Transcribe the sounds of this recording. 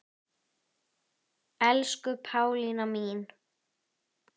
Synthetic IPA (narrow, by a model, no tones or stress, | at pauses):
ɛlskʏpʰaːwlinamiːn